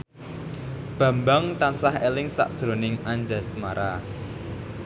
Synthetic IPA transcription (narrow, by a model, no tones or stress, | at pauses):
b̥ä̤mbaŋt̪ansahelɪŋsa̰ʔd̥ʒ̥ɾo̤nɪŋaɲd͡ʒa̤smaɾa